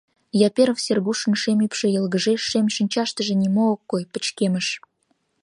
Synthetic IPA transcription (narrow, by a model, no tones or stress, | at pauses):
jɑpʲeɾəfsʲerɣuʃə̆nʃemʲipʃĕjɤ̆lɣə̆ʒeʃːemʃinʲt͡ɕɑʃt̪ə̆ʒĕnʲimookːojpə̥̆t͡ɕkemə̆ʃ